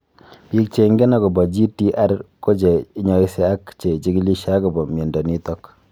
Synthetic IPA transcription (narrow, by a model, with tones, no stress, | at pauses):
pi˦k̚t͡ʃe˨˦ŋɡɛ˦na˦kɔ˨bɔ˨d͡ʒi˦ti˦ʔa˦ɾko˦t͡ʃe˨ɪ˦ɲɔ˨ɪ˦se˦a˦kt͡ʃe˨t͡ʃi˦ki˦li˦ʃa˦kɔ˨bɔ˨mɛ˨ndɔ˨ni˦tɔ˦k